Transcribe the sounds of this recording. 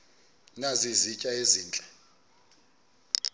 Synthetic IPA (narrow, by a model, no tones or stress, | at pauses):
nazizicʼaeziːnt͡ɬʼɛ